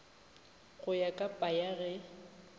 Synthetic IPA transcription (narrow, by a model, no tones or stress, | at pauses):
ɣʊjakʼapʼajaɣɛ